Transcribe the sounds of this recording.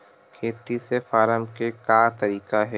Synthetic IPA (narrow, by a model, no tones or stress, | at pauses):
kʰeːt̪isefaːɾəmkekaːt̪ɐɾiːkaɦɛː